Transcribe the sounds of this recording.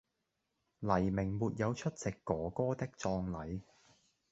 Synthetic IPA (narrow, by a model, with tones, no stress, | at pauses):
lɐ˨˩jmɪ˨˩ŋmuː˨t̚jɐ˨˧wt͡ʃʰɵ˥t̚t͡sɪ˨kːɔː˨˥kɔː˥t̪ɪ˥k̚t͡sɔː˧ŋlɐ˨˧j